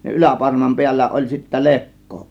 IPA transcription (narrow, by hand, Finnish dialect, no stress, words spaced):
jɑ ʔylæpɑrmɑm piælːæ olʲ sitːæ lekːo